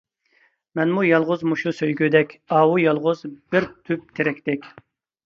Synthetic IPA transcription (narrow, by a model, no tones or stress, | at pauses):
mɛnmujɑlˠʁʊzmuʃusøjɡʲyd̪ɛkʲɑwujɑlˠʁʊzb̥ɪɾt̪ʰyp̚t̪ʰeɾɛkʲt̪ɛkʲ